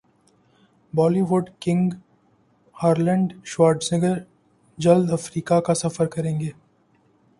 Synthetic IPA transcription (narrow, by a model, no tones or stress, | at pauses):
bɔːliʋʊɖkɪ̃ŋɡ | haːɾlə̃ɳɖʃʋaːɾɖsnɪɡəɾ | d͡ʒɐld̪ɐfɾiːkakasɐfəɾkɐɾẽːŋɡeː